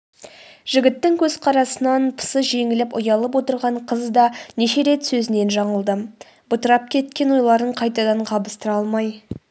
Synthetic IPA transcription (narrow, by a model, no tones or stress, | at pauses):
ʒ̥ɪɡʲɪt̪ːɪŋkʲʰɵzqʰɑɾɑsənɑnpʰə̥səʒe̞ŋɪlɪpʊ̰jɑlˠəp̬wo̞t̪əɾʁɑɴqʰəzd̪ɑneʃe̞ɾe̞t̪sɵzɪne̞nʒɑɴəlˠd̪ə | bʊt̪əɾɑp̚kʲʰe̞t̪̚kʲe̞nwo̞jlˠɑɾd̪əɴqʰɑjt̪ɑd̪ɑɴqʰɑbəst̪əɾɑlˠmɑj